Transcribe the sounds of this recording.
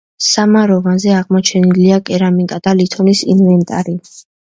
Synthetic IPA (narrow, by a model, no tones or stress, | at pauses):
samaɾɔvanzɛaʁmɔt͡ʃʰɛniliakʼɛɾamikʼad̪̥alit̪ʰɔnisinvɛnt̪ʼa̰ɾi